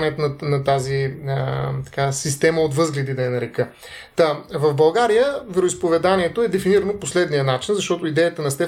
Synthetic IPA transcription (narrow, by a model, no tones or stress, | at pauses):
nɛt̪nɐnɐt̪azi | t̪ɐ̥kasist̪ɛməot̪vɤzɡlɛd̪id̪ɐɛnɐɾɛkɤ | t̪avɐvbɐlˠɡaɾijəvɛɾoispovɛd̪aniɛt̪oɛd̪ɛfiniɾənoposlɛd̪nijənat͡ʃinzɐʃt̪ɔt̪oid̪ɛjət̪ɐnɐst̪ɛ